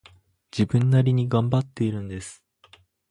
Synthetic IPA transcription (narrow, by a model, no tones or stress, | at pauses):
d͡ʑibɯ̟̃nːaɾʲiɲ̟iɡãmbat̪ːe̞iɾɯ̟̃nd̪e̞sɨ̥